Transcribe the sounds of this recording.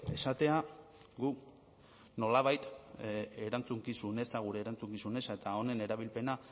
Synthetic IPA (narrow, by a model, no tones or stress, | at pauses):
e̞sat̪e̞a | ɡuk | no̞laβajt̪ | e̞ɾant͡suŋkisune̞saɣ̞uɾe̞ːɾant͡suŋkisune̞saet̪ao̞ne̞ne̞ɾaβilpe̞na